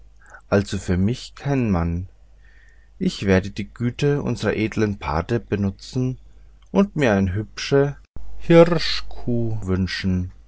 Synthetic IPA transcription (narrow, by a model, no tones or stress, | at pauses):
ʔalzofyːɐmɪçkʰaɪnnman | ʔɪçv̥eːɐdəd̥iːɡ̥yːtəʔʊ̰nzəʁɐ̰ʔeːdlənpʰa̰ɐtəb̥ənʊt͡sn̩ | ʔʊntmiːɐaɪnəɦʏpʃəhɪʁʃkʰuːvʏnʃn̩